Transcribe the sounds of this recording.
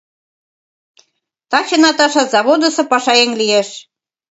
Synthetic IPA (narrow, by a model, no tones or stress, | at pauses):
t̪ɑt͡ɕɤ̆nɑt̪ɑʃɑzɑβod̪ɤ̆sɤ̆pɑʃɑeŋlijeʃ